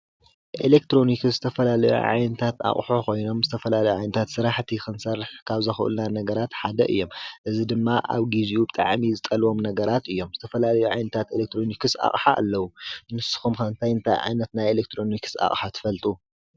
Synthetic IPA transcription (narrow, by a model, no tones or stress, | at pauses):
ʔḛlek̚t̪ɾo̞nikɨszɨt̪ʰɐfɐlalɐjṵʕa̰jnɐt̪ʰat̪a̰χʼħokʰo̞jno̞mzɨt̪ʰɐfɐlalɐjuʕajnɐt̪ʰat̪sɨɾaħt̪ʰixɨnsɐrːɨħkʰaβzɐxɨʔɨ̰lnanɐɡɐɾat̪ħad̪ɐ̰ʔɨ̰jːo̞mʔɨzid̪ɨmːaʔa̰βɡiziubɨt̪ʼa̰ʕmizɨt̪ʼɐlwo̞mnɐɡɐɾat̪ɨjːo̞mzɨt̪ʰɐfɐlalɐjuʕa̰jnɐt̪ʰat̪elek̚t̪ʰɾo̞nikɨsa̰χʼħa̰ʔːlːɐwunɨsɨ̥xumkɐnt̪ʰajɨnt̪ʰa̰jʕa̰jnɐt̪najelekt̪ʰɾo̞nikʰɨ̥sa̰χʼħat̪ʰɨ̥fɐlt̪ʼu